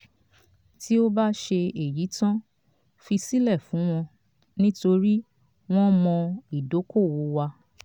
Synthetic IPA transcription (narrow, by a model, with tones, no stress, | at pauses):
ti˦o˦ba˦ʃe˧e˨ji˨˦tã˦ | fi˧si˦lɛ˦˨fũ˨˦w̃ɔ̃˧ | nĩ˦to˧ɾi˦ | w̃ɔ̃˦mɔ̃˧i˨do˨˦ko˦˨wo˨˦wa˧